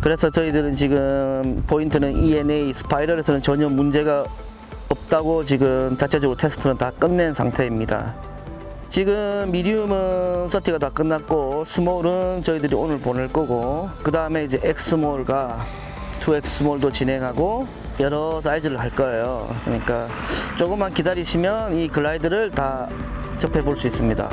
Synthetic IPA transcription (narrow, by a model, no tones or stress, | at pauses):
kɯɾe̞sʰʌt͡ɕʌidɯɾɯnt͡ɕiɡɯmpointʰɯnɯnie̞neisɯ̥pʰaiɾʌɾe̞sʰʌnɯnt͡ɕʌɲʌmund͡ʑe̞ɡa | ʌp̚t͈aɡot͡ɕiɡɯmt͡ɕat͡ɕʰe̞d͡ʑʌɡuɾotʰe̞sʰɯ̥tʰɯnɯntak͈ɯnːensʰaŋtʰe̞imɲida̰ | t͡ɕiɡɯmːidiumɯnsʰʌtʰiɡatak͈ɯnːat̚k͈osʰɯmoɾɯnt͡ɕʌidɯɾionɯɭponɯɭk͈ʌɡokɯdaɯme̞id͡ʑe̞ʔek̚ʰs͈ɯmoɭɡa | tʰue̞ks͈ʰɯmoɭdot͡ɕinɦe̞ŋɦaɡo | jʌɾʌs̬͈aid͡ʑɯɾɯɭɦaɭk͈ʌejo̰kɯ̰ɲik͈a | t͡ɕ͈oɡɯmankidaɾiɕʰimjʌnikɯɭːaidɯɾɯɭtat͡ɕʌpʰe̞boɭs͈uis͈ɯmɲida̰